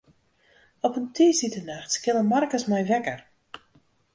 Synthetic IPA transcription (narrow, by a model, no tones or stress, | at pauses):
ɔpəntʰiːsitənaxtkɪnəmarkəsmɛjʋɛkər